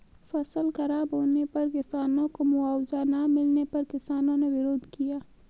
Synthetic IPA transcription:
fɐsəlxɐɾaːbɦoːnepɐɾkɪsaːnõkomʊaːwzanamɪlnepɐɾkɪsaːnõneʋɪɾoːd̪kijaː

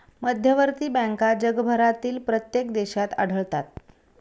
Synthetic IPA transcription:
məd̪ʱjəʋəɾt̪iːbɛ̃ŋkad͡ʑəɡbʱəɾat̪iːlpɾət̪jekd̪eɕat̪a̰ɽ̤ʱəɭt̪at̪̚

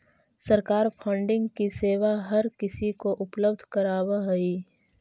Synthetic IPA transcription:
sɐɾkaːɾpʰə̃ɳɖɪ̃ŋɡkiseːʋaɦɐɾkɪsikoʔʊpləbd̪ʱkɐɾaːwaɦɐiː

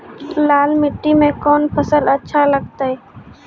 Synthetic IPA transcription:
laːlmɪʈːimẽkɔːnpʰəsələtːʃʰaləɡ̚t̪aɦɛː

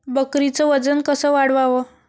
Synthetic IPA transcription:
bəkɾit͡səʋəd͡zənkəsəːʋaɽʋaʋə

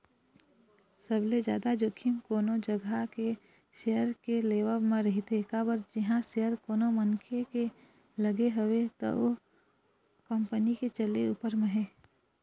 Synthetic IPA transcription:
səbled͡ʒja̰ːd̪ad͡ʒokʰimkoːnod͡ʒəɡʱake | ʃejəɾkeleːwəmẽɾəɦit̪ekaːbəɾd͡ʒɪɦãʃejəɾkoːnomənkʰeke | ləɡeɦəwet̪o̰o | kəmpəniket͡ʃəlḛṵːpəɾmẽɦeː

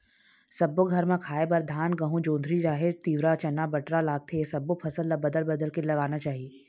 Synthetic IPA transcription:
sɐbːoɡʱɐɾmẽkʰaːebɐɾd̪ʱaːnɡɐɦũd͡ʒõːnd̪ʱɾid͡ʒaːɦɪɾt̪iːʋɾat͡ʃɐnabɐʈɾalaːɡ̚t̪ʰesɐbːopʰɐsəlːabɐd̪əlbɐd̪əlkelɐɡaːnat͡ʃaːɦieː

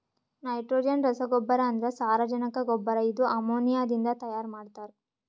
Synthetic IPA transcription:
nɐjʈɾoːd͡ʒiɐnɾɐsɐɡɔbːɐɾɐːnd̪ɐɾesaːɾɐd͡ʒɐnɐkɐɡɔbːɐɾɐid̪uʔɐmoːnijaːd̪ind̪ɐt̪ɐjaːɾmaːɖt̪aːɾe

